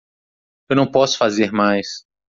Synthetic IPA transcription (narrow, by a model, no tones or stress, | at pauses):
ewnɐ̃w̃pɔsʊ̥fazeɾmajs